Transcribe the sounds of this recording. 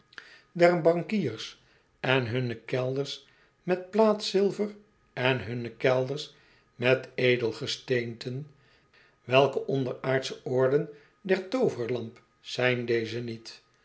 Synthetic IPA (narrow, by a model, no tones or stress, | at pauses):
dɛrbɑŋkiːrs | ɛnɦɵnəkɛlˠdəɹs | mɛt̚plaːtsɪlˠvər | ɛnɦɵnəkɛlˠdəɹs | mɛtejdəlˠχəstejntʰən | ʋɛlˠkəʔɔndəɹaːɹtsəɔɹdən | dɛɹtowvəɹlɑmp | sɛjndejzənit